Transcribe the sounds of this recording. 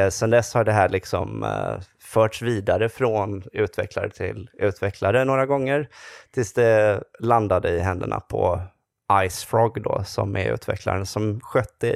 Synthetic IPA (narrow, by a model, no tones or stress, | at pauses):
sɛnd̪ɛsːhaɖɛɦæːɭɪksɔ̰m | fœːʈʂviːd̪aɾəfɾɔnʉ̟ːt̪vɛklaɾət̪ʰɪ̰lʉ̟ːt̪vɛkʰlaɾənoːɾaɡɔŋːəɾt̪ʰɪlsd̪ɛland̪ad̪əɪɦɛnd̪əɳa̰pʰɔ | ʔajsfɾɔɡd̪osɔ̰mæ̰ɾʉ̟̰ːt̪ʰvɛ̰kʰla̰ɾənsɔmɧœt̪ːə